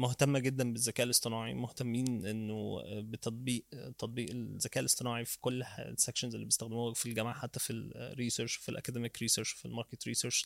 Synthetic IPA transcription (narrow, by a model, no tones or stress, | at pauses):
moht̪æmːæɡed̪ːænbezːækæːʔelːesˤt̪ˤenɑːʕḭmoht̪æmːiːnʔenːobet̪ɑt̪ˤbiːʔt̪ːɑt̪ˤbiːʔezːækæːʔlʔest̪enɑːʕifi̥kol̰ːsækʃonzʔelːibjest̪æxd̪emuːhæfilɡæmaːʕħat̪ːæfilɾiːseɾʃwfilʔæ̰kæd̪emikɾiːseɾʃwfilmɑɾket̪ɾḭːseɾʃ